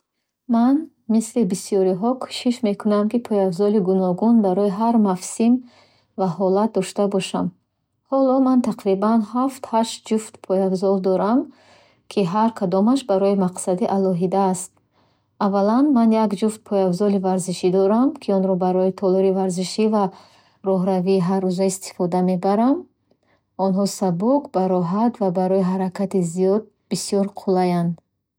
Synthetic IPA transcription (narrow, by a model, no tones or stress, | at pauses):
man | mislibisiɔɾiɦɔkʰu̥ʃiʃme̞kʰunamkipʰɔjavzɔliɡunɔɡunbaɾɔiɦaɾmafsim | vahɔlat̪̚d̪ɔʃt̪abɔʃam | hɔlɔmant̪ʰaqɾibanhaft̪haʃt̪̚d͡ʒuft̪pʰɔjavzɔlˠd̪ɔɾam | kʰiɦaɾkʰad̪ɔmaʃbaɾɔimaqsad̪iʔalɔɦid̪aːst̪̚ | avalanmanjakd͡ʒuft̪̚pʰɔjavzɔlivaɾziʃid̪ɔɾamkʰiɔnɾɔbaɾɔit̪ʰɔlɔɾivaɾziʃiva | ɾɔɦɾaviːɦaɾːuzaist̪ʰi̥fɔd̪ame̞baɾam | ɔnɦɔsabukbaɾɔɦat̪vabaɾɔiɦaɾakʰat̪izijɔd̪̚ | b̥isijɔɾqʰulajand̪